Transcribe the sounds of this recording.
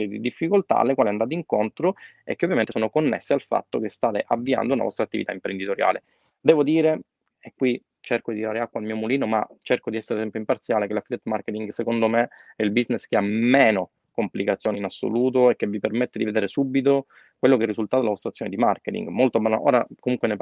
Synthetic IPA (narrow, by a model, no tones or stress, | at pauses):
ed̪ḭd̪ifːikolt̪a̰a̰lːekwaliand̪at̪eiŋkont̪ɾoɛ̰kːeovjament̪esoːnokonːḛsːealfa̰t̪ːok̟est̪aːt̪ḛʔavːia̰nd̪ouna̰vɔ̰st̪ɾat̪ːivit̪a̰impɾend̪it̪oɾja̰ːlḛ | d̪ɛːvod̪iːɾe | ekːwi | t͡ʃerkod̪iiɾaːɾeakːwalmiːomuliːnoma̰t͡ʃerkod̪iɛsːeɾet̪ɛmpjoimpart̪sjaːlekelafid̪ɛt̪market̪iŋɡsekond̪omeɛilbizneskeameːno | komplikat̪sːjoːninasːo̰luːt̪̬oekːevːipermet̪ːed̪ived̪eːɾesubːit̪̬o | kwelːokɛrːizult̪at̪oelavɔst̪ɾat̪ːjoned̪imarket̪ḭŋɡmolt̪oabanʔo̰ːɾakomuŋkwene